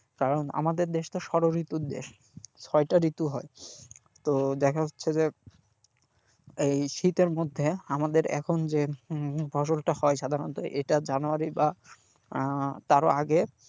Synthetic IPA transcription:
kaɾona̰mad̪eɾd̪eʃt̪oʃɔɾoɾit̪uɾd̪ḛʃ | t͡ɕʰɔeʈaɾit̪uɦɔe | t̪od̪ɛkʰaɦotːɕʰed͡ʑe | ejʃit̪eɾmod̪ʱːeamad̪eɾɛ̰kʰond͡ʑefʰɔʃolʈahɔeʃad̪ʱaɾont̪oʔeʈad͡ʑanuaɾiba | t̪aɾo̰aɡe

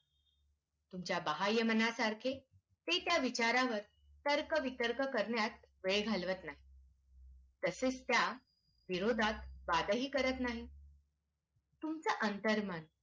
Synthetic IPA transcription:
t̪umt͡ɕjabəɦajːəmənasaɾkʰe | t̪et̪jaʋit͡ɕaɾaʋəɾ | t̪əɾkəʋit̪əɾkəkəɾɳjat̪ | ʋeɭɡʱalʋət̪naɦi | t̪əseːt͡st̪ja | ʋiɾod̪ʱat̪ʋad̪əɦiːkəɾət̪naɦi | t̪umt͡səʔənt̪əɾman

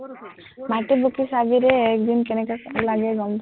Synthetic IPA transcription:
maʈibukisabiɾeek̚d̪inkɛnɛkalaɡɛɡɔm

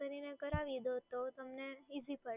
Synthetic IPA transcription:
əɾinekəɾaʋid̪ot̪ot̪əmneizipə

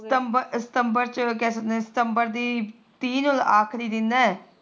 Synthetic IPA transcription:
t̪əmbəsɪ̥t̪əmbəɾt͡ʃək̬ɛːsək̚d̪ɛ̃ːsɪ̥t̪əmbəɾd̪iː | t̪iːnʊlaːkʰɾiːd̪ɪnd̪ɛː

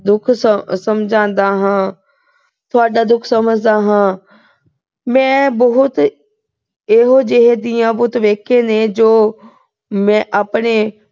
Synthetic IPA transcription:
d̪ʊkʰssəmd͡ʒãːnd̪aːɦãː | t̪ʰʊaːɖaːd̪ʊkʰsəməd͡ʒd̪aːɦãː | mɛ̃ːbəɦʊt̪ | eːɦoːd͡ʒeɦeːd̪ɪjãːbʊt̪ʋeːkʰẽːneːd͡ʒoː | mɛ̃ːʔaːpɳeː

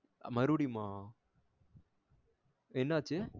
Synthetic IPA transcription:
mɐɾuɽimaː | enːaːt͡ʃːɯ

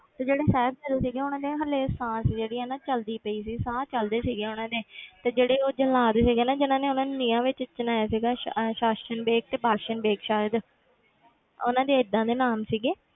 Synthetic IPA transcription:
t̪eːd͡ʒeːɽeːsɛːb̚t͡ʃəld̪eːsiːɡeːʊnãːd̪eːɦəleːsãːsd͡ʒeːɽiːɦɛːnãːt͡ʃəld̪iːpəiːsiːsãːt͡ʃəld̪eːsiːɡeːʊnãːd̪eːt̪eːd͡ʒeːɽeːoːd͡ʒəlaːd̪eːsiːɡeːnãːd͡ʒɪnãːneːʊnãːnnɪːãːʋɪt͡ʃt͡ʃənaːjaːsiːɡaːʃaːʃənbeːk̚t̪eːbaːʃənbeːkʃaːjəd̪ | ʊ̰nãːd̪eːɪd̪ãːd̪eːnaːmsiːɡeː

